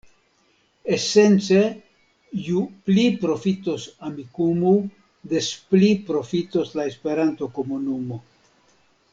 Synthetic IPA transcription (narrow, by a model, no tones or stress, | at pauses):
ese̞nt͡se̞ | juplipɾo̞fitosamikumu | d̪esplipɾo̞fitoslaespe̞ɾanto̞ko̞munumo̞